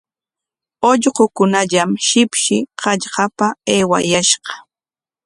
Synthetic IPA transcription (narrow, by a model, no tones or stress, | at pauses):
oʎɢokʊnaʎamʃɪpʃɪqɑʎɢɑpaeːwa̰jaʃɢɑ̥